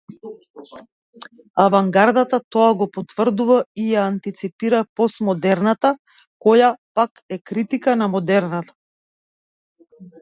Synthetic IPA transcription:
avaŋɡaɾd̪at̪at̪ɔaɡɔpɔt̪vr̩d̪uvaijaːnt̪it̪sipiɾapɔsmɔd̪ɛɾnat̪a | kɔjapakɛkɾit̪ikanamɔd̪ɛɾnat̪ḁ

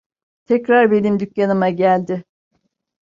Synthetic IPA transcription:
t̪ʰɛcɾaɾbe̞nimd̪ycjanɯmaɟælʲd̪ɪ

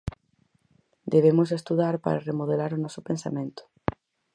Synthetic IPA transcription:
d̪eβemʊsest̪uðaɾpa̰ɾaremoð̞elaɾʊnɔsʊpẽnsa̰mẽnt̪ʊ̥

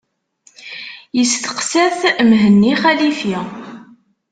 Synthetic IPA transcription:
jəst̪ə̥qsæθmɦənːiχælifi

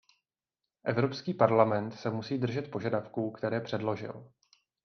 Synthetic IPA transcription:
ʔɛvɾo̞pskiːpaɾlamɛnt̪sɛmusiːdr̩ʒɛt̪po̞ʒadafkuːkt̪ɛɾɛːpr̝̥ɛdlo̞ʒɪ̰l

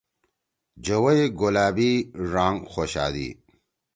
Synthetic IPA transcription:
d͡ʑɐwɐeɡolaːbiɾaːŋxoɕa̰ːd̪ḭː

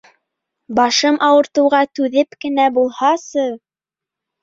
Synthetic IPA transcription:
bɑʃɤmʔɑwɤ̆ɾt̪ɤ̆wʁɑt̪ʉðɘpkɘ̆næbulˠhɑsɤ

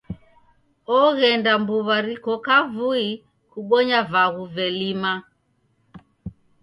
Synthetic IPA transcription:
ɔɣɛndambuβaɾikɔkavui | kuɓɔɲavaɣuvɛlima

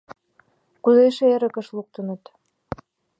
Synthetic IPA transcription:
kuzeʃĕeɾə̆kə̆ʃluk̚t̪ə̆nə̆t̪

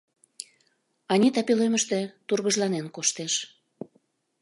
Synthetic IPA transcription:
ɑnʲit̪ɑpileməʃt̪ĕt̪urɣəʒlɑnenkoʃt̪eʃ

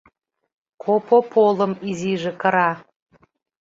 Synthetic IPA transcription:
kʰopʰopʰoləmiziʒĕkə̆ɾɑ

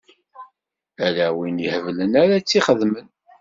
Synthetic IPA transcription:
ælæwinjəhəvlənæɾæt͡sːiχəðmən

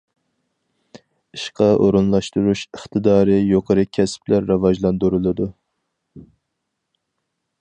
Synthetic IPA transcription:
iʃqʰɑʔoɾunlˠɑʃt̪uɾuʃəχt̪ʰɨd̪ɑːɾɨjoqʰəɾɨkʲʰɛsp̚læɾːɑvɑʒlˠɑnd̪uɾulˠɨd̪u

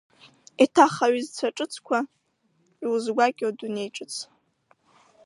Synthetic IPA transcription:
itʰaχaɥizt͡sʷʰaʈ͡ʂʼɨt͡sʰkʷʰa | wuzɡʷakʲʼadune̞jʈ͡ʂʼɨt͡sʰ

